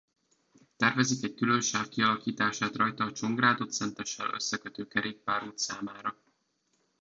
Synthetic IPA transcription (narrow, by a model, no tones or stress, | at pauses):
t̪ɛrvɛzikɛɟ̚kylø̞nʃaːkkiɒlɒkiːt̪aːʃaːt̪rɒjt̪ɒːt͡ʃo̞ŋɡraːd̪o̞t̪sɛnt̪ɛʃːɛ̰lø̰sːɛkøt̪øːkɛɾeːk̚paːɾuːt̪saːmaːɾɒ